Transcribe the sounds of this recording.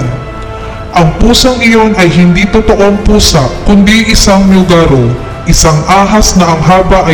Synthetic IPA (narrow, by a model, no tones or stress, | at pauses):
n | ʔɐŋpuːsɐŋɪjo̞nʔɐjɦɪnd̪it̪ʊt̪oʔo̞ŋpuːsakʊnd̪iʔɪsaŋmjʊɡaɾo | ʔɪsaŋʔaːɦɐsnɐʔɐŋɦaːbaʔɐ